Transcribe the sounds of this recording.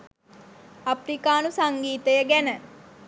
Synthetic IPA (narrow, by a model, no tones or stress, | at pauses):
aprikaːnusaŋɡiːt̪əjəɡænə